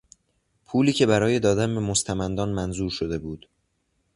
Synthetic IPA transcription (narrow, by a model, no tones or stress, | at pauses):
pʰuːliːcʰe̞bæɾɒːje̞d̪ɒːd̪ænbe̞most̪ʰæmænd̪ɒːnmænzuːɾʃod̪e̞buːd̪̥